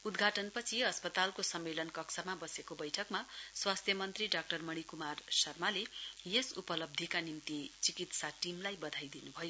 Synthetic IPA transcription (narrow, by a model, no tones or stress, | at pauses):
ud̪ɡʱaʈʌnpʌt͡sʰiʌspʌt̪alkosʌmːelʌnkʌksamabʌsekobʌjʈʰʌkmaswast̪ʰjʌmʌnt̪riɖak̚ʈʌrmʌɽ̃ikumarsʌrmalejesupʌlʌb̚d̪ʱjikanimt̪it͡sikit̪saʈimlajbʌd̪ʱajd̪inubʱʌjo